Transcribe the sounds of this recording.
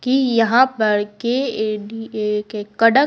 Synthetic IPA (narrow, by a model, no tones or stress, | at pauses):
kijɐɦãpɐɾkeikekkːɐɽə